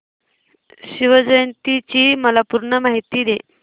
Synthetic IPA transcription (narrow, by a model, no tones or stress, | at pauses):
ɕiʋəd͡ʑəjnt̪it͡ɕiːməlapuɾɳəmaɦit̪iːd̪e